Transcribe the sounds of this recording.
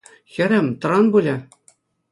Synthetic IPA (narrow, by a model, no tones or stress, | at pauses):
xʲɘ̆ɾʲɘ̆mt̪ɤ̆ɾɑnbulʲɘ̆